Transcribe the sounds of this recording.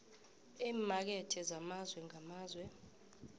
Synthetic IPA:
iːmak̬ɛtʰʼɛzamazwɛŋamaːzwɛ

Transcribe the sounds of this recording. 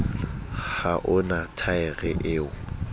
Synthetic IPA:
haʔʊnatʰaɪɣɛʔɪːʊ

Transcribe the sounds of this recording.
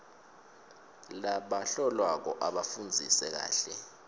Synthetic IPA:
laɓaɬɔlwak̬ɔʔaɓafund͡zʱisɛk̬a̰ːɬɛ

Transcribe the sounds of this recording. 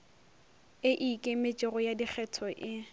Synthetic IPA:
ɪʔikʼɪmɪt͡ʃʼɪɣʊjadik͡xʰɛtʰɔʔɪ

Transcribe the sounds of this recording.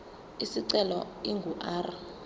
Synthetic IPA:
isiǀɛlɔ̰iŋɡʱuʔaːr

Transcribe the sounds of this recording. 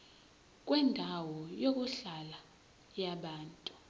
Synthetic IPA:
k̬ʼwɛndʱawɔjok̬ʼuɬala | jaɓaːntʼu̥

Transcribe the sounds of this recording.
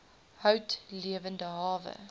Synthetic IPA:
həwtliəvəndəɦɑːvə̰

